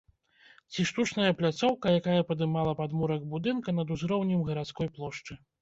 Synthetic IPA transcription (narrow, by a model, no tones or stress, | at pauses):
t͡sʲiʂt̪ut͡ʂn̪ɐjɐplʲat̪sɔwkɐjakajɐpɐd̪ɨmalˠɐpad̪muɾɐɡbud̪ɨnkɐnɐd̪uzɾɔwnʲimɣɐɾat̪skɔjplˠɔʂt͡ʂɨ